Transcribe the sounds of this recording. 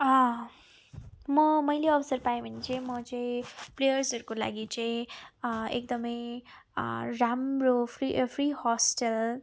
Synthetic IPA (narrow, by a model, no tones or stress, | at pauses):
ʌ | mʌmʌjleʌbʌsʌrpaẽbʱʌnet͡saĩmʌt͡saĩplejʌrsʌɾukola̰ɡit͡saĩ | ḛk̚d̪ʌmʌj | ramropʰripʰrihɔsʈʌl